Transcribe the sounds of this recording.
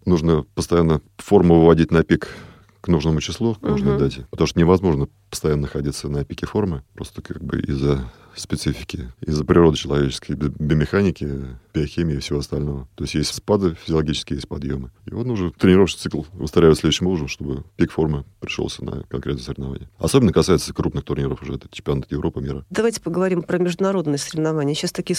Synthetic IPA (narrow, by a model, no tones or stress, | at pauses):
nuʐnəpəst̪ɐjanːəfo̞rmʊvəvɐdʲitʲnɐpʲik | knuʐnəmʊt͡ɕɪslˠuknuʐnəd̪atʲpət̪ɐmuʂt̪onɪvɐzmo̞ʐnə | pə̥st̪ɐjanːənəxɐdʲit̪sənɐpʲikʲɪfo̞rmɨpɾo̞st̪ə̥kaɡ̚bɨ̰ʔḭzːə | spʲɪt̪sɨfʲɪ̥kʲɪɪzːəpɾʲɪro̞d̪ɨt͡ɕɪlˠɐvʲet͡ɕɪ̥skəjbʲbʲɪmʲɪxanʲɪkʲɪbʲɪɐxʲimʲɪɪfsʲɪvo̞ɐst̪ɐlʲno̞vət̪o̞ɪsʲtʲjesʲtʲspad̪ɨfʲɪzʲɪɐlˠɐɡʲit͡ɕɪ̥skʲɪjesʲt̪ʲpɐd̪jo̞mɨḭvot̪nuʐət̪ɾʲɪnʲɪɾofʂʲɪ̥t̪sɨklˠʊ̰st̪ɾajvɪt̪slʲed̪ʊɕɪmlˠuʐəmʂt̪o̞bɨpʲikfo̞rməpɾʲɪ̥ʂlo̰sʲnə̰kɐnkɾʲet̪nəsəɾʲɪvnɐva̰nʲɪjəɐ̰so̞bʲɪnːəkɐsajɪt̪səkɾupnɨxt̪ʊrnʲiɾofʊʐɛɛt̪ə̥t͡ɕɪmpʲɐnat̪jɪvɾʔo̞pəmʲḭɾəd̪ɐvajtʲɪ̥pəɡəvɐɾʲimpɾəmʲɪʐd̪ʊnɐɾo̞d̪nəjəsəɾʲɪvnɐvanʲɪjəɕast̪ɐkʲijə